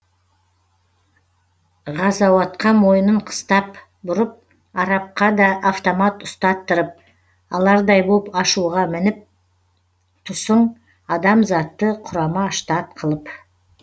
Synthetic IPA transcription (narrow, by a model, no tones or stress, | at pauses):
ʁɑzɑwɑt̪qɑmo̞jənəɴqʰə̥st̪ɑp | bʊɾəp̚ | ɑɾɑp̚qɑd̪ɑʔːft̪omɑt̪ʊst̪ɑt̪ːəɾəp̚ | ɑlˠɑɾd̪ɑjbopɑʃuʁɑmɪnɪp̚ | t̪ʰʊsəɴ | ɑd̪ɑmzɑt̪ːəqʰʊɾɑmɑʃt̪ɑt̪̚qʰəlˠəp